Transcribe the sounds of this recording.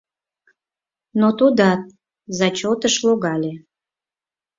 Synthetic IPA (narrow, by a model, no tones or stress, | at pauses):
not̪ud̪ɑt̪̚ | zɑt͡ɕot̪əʃloɣɑlʲe